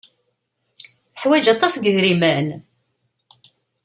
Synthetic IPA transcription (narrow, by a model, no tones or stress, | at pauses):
θəħwæd͡ʒɑt̪ˤːɑsɡəðɾimæn